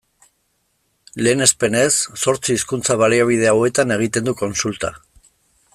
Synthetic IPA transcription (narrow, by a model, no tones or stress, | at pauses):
le̞ːne̞spe̞ne̞sːo̞ɾt͡siːskunt͡saβ̞aliaβ̞ið̞e̞awe̞t̪ane̞ɣ̞it̪e̞nd̪uko̞nsult̪a̰